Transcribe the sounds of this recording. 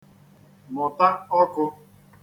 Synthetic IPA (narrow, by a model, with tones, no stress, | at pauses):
mʊ˨ta˦ɔ˦kʊ˧